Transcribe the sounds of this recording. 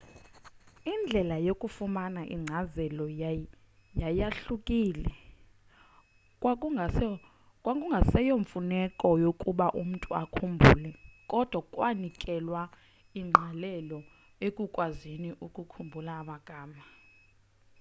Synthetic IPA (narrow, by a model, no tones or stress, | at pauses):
ind͡ɮʱɛlajokʼufumanaʔḭŋ͡ǀʱazɛlɔ | jajaɬukʼiːlɛ | w | kʼwakʼuŋɡʱasɛjoɱfunɛkʼɔjokʼuɓaʔum̩tʼua̰kʰumbʱṵːlɛkʼɔd̥ʱwakʼwanikʼɛlwa | iŋ͡ǃʱalɛlɔ | ekʼukʼwaziniʔukʼukʰumbʱulaːɓaɡ̥ʱaːma